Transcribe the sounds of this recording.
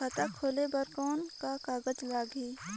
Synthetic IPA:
ɐt̪akʰoːlebəɾkɔːnkakaːɡəd͡ʒlaːɡiː

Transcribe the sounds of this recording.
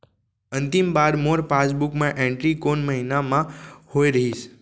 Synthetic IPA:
ənt̪imbaɾmoɾpasbukmãʔẽɳʈɾikonməɦinamãhoiɾəɦiʃ

